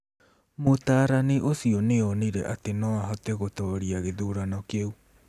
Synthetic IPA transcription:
motaːɾaniʔosiɔneɔniɾɛ̰ʔatenɔaɦɔtɛɣotɔɾiaɣeðuːɾanɔkeu

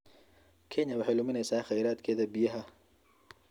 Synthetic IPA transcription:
kʰɛɲɐwɑħɑjlʊmɪnɛjsaːχɑjɾaːd̪kʰɛːðɐbɪjɐɦɐ

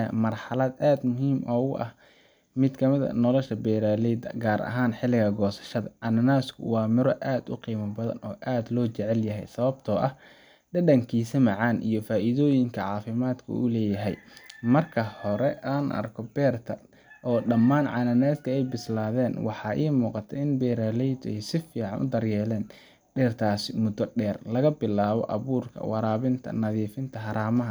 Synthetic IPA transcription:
mɐrħɑlɐd̪aːd̪mʊɦiːmʔɔːʊʔɐ̰h | mɪd̪kʰɐmɪðɐ̰nɔlɔʃɐbɛːɾaːlɛd̪ɐɡaːɾʔɐ̰ɦaːnħɪlɪɣɐɡɔːsɐ̥ʃɐðɐʕɑnɐnaːskʰʊ̰wɑːmɪɾɔʔaːd̪ʊ̰qiːmɐbɐðɐ̰nɔːʔaːd̪lɔːt͡ʃɛʕɛljɐɦɛ̰jsɐβɐb̚t̪ʰɔːʔɐh | ɖɐɖɐŋkʰiːsɐmɑʕɑːnʔḭjɞfaːʔiðɔːjɪŋkʰɐʕɑːfɪmaːd̪kʰʊ̰ʊlɛːjɐɦɛ̰jmɐrkʰɐhɔɾɛaːnʔɐ̰rkʰɔbɛːrt̪ʰɐ | ʔɔːɖɐmːaːnʕɑnɐnɛːd̪kʰɐɛjbɪslaːðɛːnwɑħɑːʔiːmuːqɑt̪ʰɛɪnbɛːɾaːlɛjd̪ɛjsɪfiːʕɑ̰nʔʊ̰d̪ɐrjɛːlɛːn | ɖɛːrt̪ʰaːsɪmʊd̪ɔɖɛːrlɐɣɐbɪlaːβɔ̰ʔɐβuːrkʰɐ̰wɑɾaːβɪnt̪ʰɐ̰nɐðiːfɪnt̪ʰɐɦɑɾaːmɐɦɐ

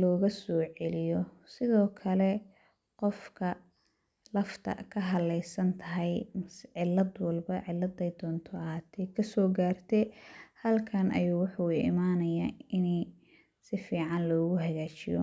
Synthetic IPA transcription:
lɔːɣɐsɔːʕɛlɪjɔsɪðɔːkʰɐlɛ | qɔfkʰɐ | lɐft̪ʰɐ̰kʰɐɦɐlɛjsɐnt̪ʰɐɦɛjmsʕɪlːɐd̪wɐlbɐʕɪlːɐd̪ɐjd̪ɔːnt̪ʰɔɐɦaːt̪ʰɛːkʰɐsɔːɡaːrt̪ʰɛhɐlkʰɐnʔɐ̰juːwʊħuːɪ̰maːnɐjaːɪnɛj | sɪfiːʕɑnlɔːɣʊɦɐɣaːt͡ʃɪjɔ̰

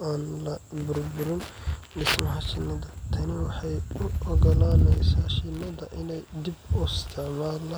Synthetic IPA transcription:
ʔaːnlɐbʊɾbʊɾɪndɪsmɐhɐt͡ʃɪnɐd̪ɐt̪ʰɐnɪwɑħɑjʊʔɔɡɔlaːlɛjsaːʃɪnɐd̪ɐʔɪnɛjd̪ibɔst̪ʰɐmaːlɐ

